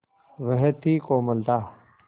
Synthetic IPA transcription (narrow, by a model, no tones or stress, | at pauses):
ʋəɦet̪ʰːiːkoːməld̪aː